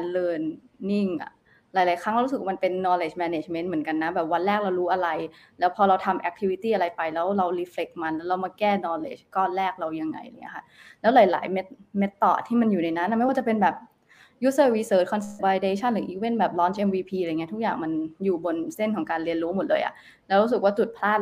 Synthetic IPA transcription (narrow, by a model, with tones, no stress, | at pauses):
lɤː˧nː | i˥˩ŋʔa̰˨˩ | laː˨˦jlaː˨˦jkʰa˦˥ŋɾa˧ɾu˦˥sɯ˨˩k̚ama˧npe˧nːɔː˧leː˧˩t͡ɕmɛː˧ne˧˩t͡ɕme˦˥nmɯ˩˦ənka˧nːa˧˦˥bɛː˨˩p̚wa˧nlɛː˥˩k̚ɾa˧wɾuː˦˥ʔa˧ɾa˧j | lɛː˦˥wpʰɔː˧ɾa˧wt̪ʰa˧mʔɛ˧˦k̚t̪ʰi˧wi˧t̪iː˥˩ʔa˧ɾa˧jpa˧jlɛː˦˥wɾa˧wɾiː˧˥fle˨˩k̚ma˧nlɛː˦˥wɾa˧wmaː˧kɛː˥˩nɔː˧lḛː˧˩t͡ɕkɔː˥˩nlɛː˥˩k̚ɾa˧wja˧ŋːa̰˧ja̰˧˩ŋi˦˥kʰa˥˩ | lɛː˦˥wlaː˨˩˦jla̰ː˩˦jme˦˥t̪̚me˦˥t̪ːɔ̰ː˨˩t̪ʰiː˥˩ma˧njuː˨˩na˧jna˦˥nʔa˨˩ma˥jwaː˥˩t͡ɕa˨˩pe˧nbɛː˨˩p̚ | ju˦˥sɤː˧˥˩wiː˧sɤː˦˩t̪̚kʰɔ˧nsbaː˧jdeː˧t͡ɕʰa˥˩nɾɯ˩˦ʔiː˧˩we˦˥˩nbɛː˨˩p̚lɔː˦˥nt͡ɕʰʔe˧mwiː˧pʰiː˧ɾa˧˨˩ŋi˦˥t̪ʰu˦˥k̚jaː˨˩ŋma˧njuː˨˩bo˧nse˥˩nkʰɔː˩˦ŋkaː˧nli˧ənɾuː˦˥mo˨˩t̪̚lɤː˧jʔa̰˨˩ʔ | lɛː˦˥wɾuː˦˥s̬ɯ˨˩k̚waː˥˩t͡ɕu˨˩t̪̚pʰlaː˥˩t̪̚